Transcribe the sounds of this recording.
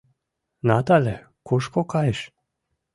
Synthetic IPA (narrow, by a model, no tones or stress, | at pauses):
nat̪alɛ | koʃkokajeʃ